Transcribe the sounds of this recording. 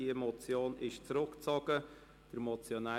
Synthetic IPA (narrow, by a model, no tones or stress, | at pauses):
iemɔt͡sjoːnɪʃt͡sɾʊkt͡sɔɡ̥ə | d̥əɾmɔt͡sjona